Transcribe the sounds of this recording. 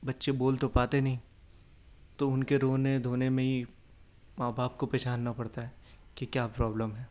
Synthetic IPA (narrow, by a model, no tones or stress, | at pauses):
bɐtːʃeboːlt̪opaːt̪enɐɦĩː | t̪oʊnkeɾoːnẽd̪ʱoːnemẽɦi | maːbaːp̚kopɛːʃaːnːɐpɐɽt̪aɦɛːkikjaːpɾɔːbləmɦɛː